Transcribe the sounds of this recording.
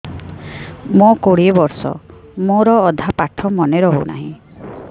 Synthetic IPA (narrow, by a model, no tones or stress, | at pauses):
mokoɽiebɔɾsɔ̰moɾɔːd̪ʱapaʈʰɔmɔneɾɔɦo̰wna̰ɦḭ̃